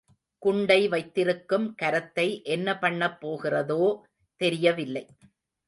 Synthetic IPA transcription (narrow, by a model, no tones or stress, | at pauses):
kʊɳɖɐɪʋɐɪt̪ːɪɾɯkːɯmkɐɾɐt̪ːɐɪʔɛnːɐpɐɳːɐpːoːɣɪrɐðoː | t̪ɛɾɪjɐʋɪlːɐɪ